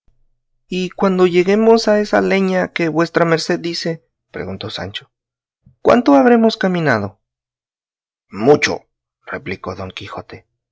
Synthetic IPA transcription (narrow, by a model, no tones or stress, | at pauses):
ikwand̪o̞ʝe̞ɣe̞mo̞sae̞sa̰le̞ɲakeβwe̞st̪ɾameɾse̞ðdːise̞ | pɾeɣunt̪o̞sa̰nt͡ʃo̥ | kwa̰nt̪oaβɾe̞mo̞skamĩnað̞o̞ | mut͡ʃo̰ | rḛpliko̞̰ðo̞ŋkixo̞t̪e